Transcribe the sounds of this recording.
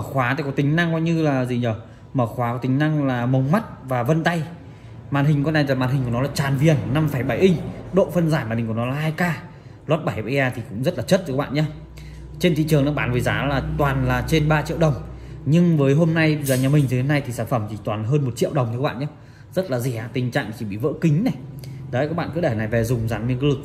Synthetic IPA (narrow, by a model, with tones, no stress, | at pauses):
mː˧˩xwaː˨˦t̪a̰ː˧˨kːk̚t̪i˨˦ŋ̟na˧ŋkɔ˧ɲɨ˧laː˨˩zi˨˩ɲə˧˩ | məː˧˩xwaː˨˦kɔ˨˦t̪ï˨˦ŋ̟na˧ŋlaː˨˩mə˨˩wŋ͡mma˦˥t̚vaː˨˩və˧nt̪a˧j | maː˨˩nɦi˨˩ŋ̟kɔ˧˦na˧˩jaː˨˩maː˨˩nɦï˨˩ŋknɔ˨˦laː˨˩t͡ɕaː˨˩nvi˨˩ənːa˧mfa˧˩jɓa˧˩jʔi˧ŋ̟ɗo̰˧˨fə˧nzaː˧˩jma˨˩ï˨˩ŋknɔ˨˦laː˨˩ʔaː˧jkaː˧ | laː˦˥t̚ɓa˧˩jɓa˧jʔaː˧˩t̪ʰi˨˩kʊ̰˧˥ŋ͡mzə˦˥t̚laː˨˩t͡ɕə˦˥t̚ːɓa̰ː˧˨nɲaː˧ | t͡ɕe˧nt̪ʰḭ˧˨t͡ɕɨ˨˩əŋnɔ˨˦ɓaː˨˦nvəː˨˦zaː˨˦laː˨˩t̪waː˨˩nlaː˨˩t͡ɕe˧nɓaː˧t͡ɕḭ˧əwɗə˨˩wŋ͡mɲɨ˧ŋvəː˨˦jɦo˧mna˧jɓzəː˨˩ɲaː˨˩mï˨˩ŋzɨː˨˦e˧na˧jt̪ʰi˨˩saː˧˩nfə˧˩mt̪ʰi˨˩t̪waː˨˩nɦəː˧nmo˨˩t̚t͡ɕḭ˧˨əwɗə˨˩wŋ͡m̪k̚ːɓa̰ː˧˨ɲaː˧ | zə˦˥t̚laː˨˩zi˧˩a˧˩t̪ï˨˩ŋ̟t͡ɕa̰ː˧˨ŋ˨˩t͡ɕi˧˩ɓḭ˧˨və̰ː˧˥kï˨˦ŋ̟na˨˩jɗːkaː˦˥k̚a̰ː˧˨kɨ̰˧˥ɗe˧˩˨na˨˩jvɛ˨˩zʊ˨˩ŋ͡mza˨˦nɲɨ˧˥ŋkːlɨ˨˩k̚